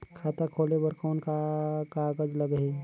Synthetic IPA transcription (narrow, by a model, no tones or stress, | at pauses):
kʰaːt̪akʰoːlebəɾkɔːnkakaɡəd͡ʒləɡɦe